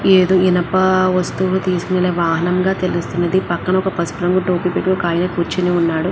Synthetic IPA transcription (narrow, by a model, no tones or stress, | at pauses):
eːd̪oːinɐpɐʋɐst̪ulut̪iːsu̥kunɐleːʋaːɦɐnɐmɡaːt̪e̞lust̪unːɐd̪ipɐkːɐnɐɔkɐpɐspɐɾɐŋɡuʈoːpipiːklokaːjɐnɐkuɾt͡ʃiniunːaːɽu